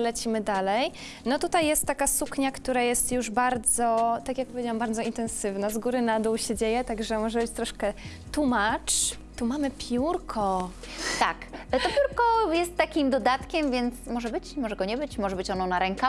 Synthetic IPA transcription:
lɛt͡ɕimɘd̪alɛj | nɔt̪ut̪ajːɛst̪ːakasukɲakt̪uɾajɛst̪juʐbaɾd̪zɔt̪akjak̚pɔvʲed͡ʑawambaɾd̪zɔint̪ɛnsɘvnazɡuɾɘnad̪uwɕed͡ʑejɛt̪aɡʐɛmɔʐɛbɘt͡ɕt̪ɾɔʂkɛ | t̪umat͡ʂ | t̪umamɘpʲjuɾkʰɔ | t̪a̰kt̪ɔpʲjuɾkɔjɛst̪ːakʲimd̪ɔd̪at̪kʲɛmvʲjɛnt̪smɔʐɛbɘt͡ɕmɔʐɛɡɔɲɛbɘt͡ɕmɔʐɛbɘt͡ɕɔnɔ̃naɾɛŋka

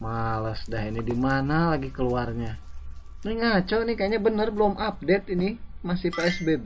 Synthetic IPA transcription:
maləsdaɦinadimanalaɡikəluarɲa | niŋat͡ʃɔnikajaɲabənərbəlɔmʔap̚dɛt̪inimasihpaɛsbeb

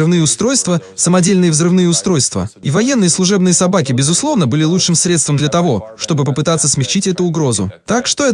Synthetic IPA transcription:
ɨvnɨjəʊst̪ɾo̞jst̪vəsəmɐdʲelʲnɨjəvzrɨvnɨjəʊst̪ɾo̞jst̪və̰ivɐjenːɨjəslˠʊʐɛbnɨjəsɐbakʲɪbʲɪzʊslˠo̞vnəbɨlʲɪlˠut͡ʂʂɨmsɾʲe̞t̪st̪vəmd̪lʲɐt̪ɐvo̞ʂt̪o̞bɨpəpɨt̪at̪sːəsmʲɪxt͡ɕitʲɛt̪ʊːɡɾo̞zʊ̰t̪akʂt̪oɛ

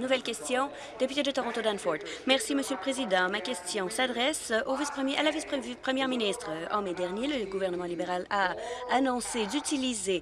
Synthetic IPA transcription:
nuvɛlkʲɛst̪jɔ̃ | d̪̥epyt̪ed̪ət̪ɔʁɔ̃t̪od̪anfɔʁd̪mɛʁsiməsjøləpχezid̪ɑ̃makʲɛst̪jɔ̃sad̪ʁɛsovispχəmjʔalavispχpχəmjɛʁminist̪χəɑ̰̃med̪ɛʁnjeləɡuvɛʁnəmɑ̃libeʁalaːnɔ̃sed̪yt̪ilize

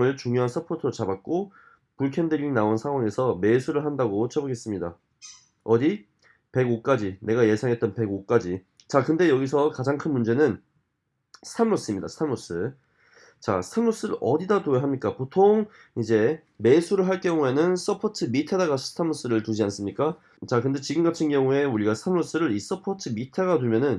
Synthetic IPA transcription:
ɯɭt͡ɕuŋjoɦans͈ʰʌpʰotʰɯɾot͡ɕabak̚k͈o | puɭkʰendɯʎinaonsʰaŋɦwaŋe̞sʰʌme̞sʰuɾɯɭɦandaɡot͡ɕʰʌboɡe̞s͈ɯmɲida̰ | ʌdi | pe̞ɡok͈ad͡ʑine̞ɡaje̞sʰaŋɦe̞t̚t͈ʌnpe̞ɡok͈ad͡ʑi | t͡ɕakɯnde̞jʌɡisʰʌkad͡ʑaŋkʰɯnmund͡ʑe̞nɯn | stʰamɾos͈ɯimɲida̰sʰamos͈ɯ | t͡ɕa̰stʰamos͈ɯɾɯʌdidadojoɦamɲik͈apotʰoŋ | id͡ʑe̞ | me̞sʰuɾɯɭɦaɭk͈jʌŋue̞nɯns͈ʌpʰʌtʰɯmitʰedaɣastʰamos͈ɯɾɯɭtud͡ʑians͈ɯmɲik͈a | t͡ɕakɯnde̞t͡ɕiɡɯmɡatʰɯnɡjʌŋue̞uɾiɡasʰamɾos͈ɯɾɯɾis͈ʌpʰʌt͡ɕʰɯmitʰeɡadwemjʌnɯn

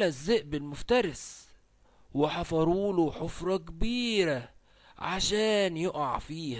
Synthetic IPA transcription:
æzːeʔbɪlmʊft̪ɑɾˤɪs | wɪħɑfɑɾˤuːloħofɾˤɑkbiːɾæ | ʕaʃæːnjoʔɑ̰ʕfiːhæ

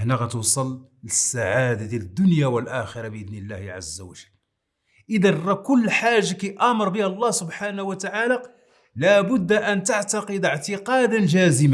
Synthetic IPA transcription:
hnaɣæt̪usˤɑləsːaʕad̪ad̪ləd̪ːʊnjawəlʔæxəɾˤɑbəʔəd̪nəlːæhʕa̰zːawəʒəlː | ʔəd̪ənːɑkʊlːħaʒːakiʔɑməɾˤbəhælˤːɑhsʊbħanwət̪aʕala | læbʊd̪ːʔænt̪aʕt̪ɑqəd̪əʕt̪əqɑd̪anʒæzəma

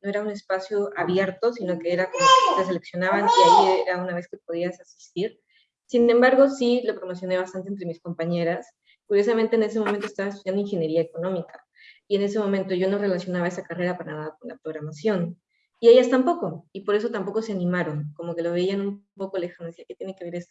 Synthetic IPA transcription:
no̞e̞ɾaune̞spasjo̞aβje̞ɾt̪o̞sino̞ke̞eɾakomokt̪e̞s̬e̞le̞ksjo̞naβaniaieɾaunaβe̞skepo̞ð̞iasasi̥st̪iɾ | sinẽ̞mbaɾɣo̞silo̞pɾo̞mo̞s̬jo̞ne̞βast̪ant̪ent̪ɾe̞misko̞mpaɲe̞ɾas | kuɾjo̞s̬amẽnt̪eːne̞s̬emomẽnt̪oest̪aβaestuðjand̪oiŋxe̞nje̞ɾiaeko̞nõ̞mika | ie̞ne̞se̞mõ̞ment̪o̞ʝo̞no̞re̞lasjo̞naβae̞sakare̞ɾapaɾanaðakonla̰pɾo̞ɣɾamasjo̞n | ie̞ʝast̪ampo̞ko̞ipo̞ɾe̞s̬o̞t̪ampo̞ko̞se̞anĩmaɾo̞ŋko̞moke̞lo̞β̞e̞ianumpo̞ko̞lexamnesiaket̪je̞nekee̞ɾe̞st̪o

